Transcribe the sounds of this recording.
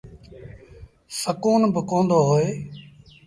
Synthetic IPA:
səkuːnbəkõːnd̪oːɦoːeː

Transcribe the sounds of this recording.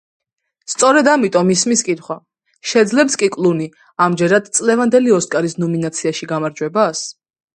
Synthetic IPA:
st̪sʼɔɾɛd̪amit̪ʼɔmismiskʼit̪ʰχwa | ʃɛd̪zlɛpskʼikʼlˠuni | amd͡ʒɛɾad̪t̪sʼlɛvand̪ɛliɔskʼaɾisnɔminat̪sʰiaʃiɡamaɾd͡ʒwɛbaːs

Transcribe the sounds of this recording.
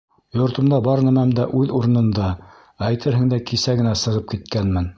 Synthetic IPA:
jŏɾt̪ɤ̆md̪ɑbɑɾnæmæmd̪æʔʉðuɾɤ̆nɤ̆nd̪ɑ | æjt̪ɘɾhɘ̆ŋd̪ækisæɡɘ̆næsɤ̆ʁɤp̚kit̪̚kænmɘn

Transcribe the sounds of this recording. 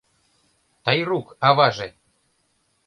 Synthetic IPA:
t̪ɤjrukɑβɑʒe

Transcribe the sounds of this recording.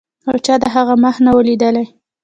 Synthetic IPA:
awt͡ʃɑd̪əɦaɣaməxnawəlid̪əlaj

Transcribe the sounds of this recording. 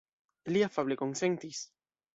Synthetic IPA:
liafaβlekoŋsent̪is

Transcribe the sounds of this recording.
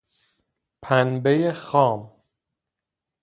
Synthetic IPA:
pʰænbejexɒːm

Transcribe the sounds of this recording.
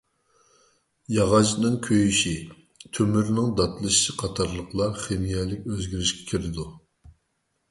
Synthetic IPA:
jɑʁɑd͡ʒnɨŋkʲʰøjyʃi | t̪ʰømyɾnɪŋd̪ɑt̪ʰlˠɨʃt͡ʃʰiqʰɑt̪ʰɑɾlˠəqlˠɑχemijɛlɪkʲøzɡʲiɾɪʃkʲʰɛ̥kʲʰiɾɪd̪u

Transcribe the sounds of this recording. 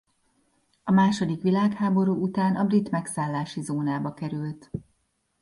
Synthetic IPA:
ɒmaːʃo̞d̪ikʋilaːkhaːbo̞ɾuːut̪aːnɒbrit̪mɛksaːlːaːʃizoːnaːbɒkɛɾylt̪

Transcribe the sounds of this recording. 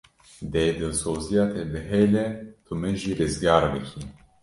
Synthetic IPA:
d̪eːd̪ɨsoːzijaːt̪ʰeːbɨɦeːlɛt̪ʰumɨnʒiːɾɨzɡaːɾbɨkʰi

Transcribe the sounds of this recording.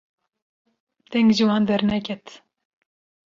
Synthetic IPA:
d̪̥ɛŋɡʒiwɑːnd̪ɛɾnɛkʲʰɛt̪

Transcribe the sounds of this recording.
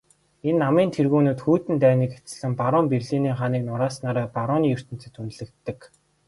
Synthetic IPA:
enːamiːnt̪ʰerɣuːnuːt̪xuːt̪ɘ̆nt̪æːniːket͡sɘ̆ɮɘ̆mpaɾʊːmperɮiːniːŋχaːniːknʊɾaːsnaːɾaːpaɾʊːniːɵr̥t̪ɘ̆nt͡sɘ̆t̪ʰun̆ɮɘ̆kt̪ːɘ̆k

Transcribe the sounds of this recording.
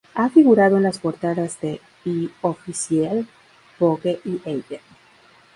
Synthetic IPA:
afiɣuɾaðoenlaspo̞ɾt̪aðazðe̞ | iofisjel | boɣeʔiʔejd̪e

